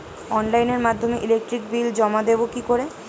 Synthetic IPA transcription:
ɔnlajneɾmad̪ʱːomeʔilek̚ʈɾikbild͡ʑɔmad̪ebokikoɾe

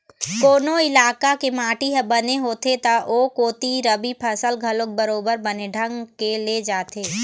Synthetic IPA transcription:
koːnoɪlaːkakemaːʈiɦɛbɐneɦoːt̪et̪aʔoːkoːt̪iɾɐbipʰɐsəlɡʱɐlok̚bɐɾoːbəɾbɐneɖʱə̃ŋɡkeled͡ʒaːt̪eː

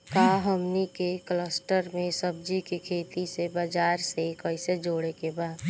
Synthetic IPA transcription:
kaɦəmnikekləsʈəɾmẽsəb̚d͡ʒikikʰeːt̪isebad͡ʒaːɾsekəɪsed͡ʒoːɽekebaːd̪

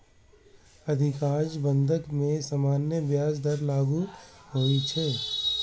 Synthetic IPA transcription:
ɐd̪ʱɪkaːd͡ʒbə̃nd̪ʱəkmẽsamaːnjəbjaːsd̪ɐɾlaːɡuɦoːit͡ʃʰɛː

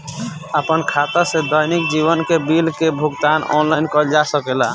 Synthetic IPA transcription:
əpənkʰat̪ased̪ɔjnik̚d͡ʒiβənkebilkebʱuɡt̪anɔ̰nlajnkɔd͡ʒasəkela

